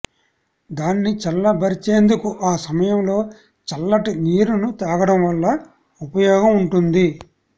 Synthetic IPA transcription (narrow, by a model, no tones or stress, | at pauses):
d̪aːnːit͡ʃɐlːɐbɐɾit͡ʃeːnd̪ukuʔaːsɐmɐjɐmlo̞ː | t͡ʃɐlːɐʈiniːɾunut̪aːɡɐɽɐmʋɐlːɐ | upɐjɔːɡɐmuɳʈund̪i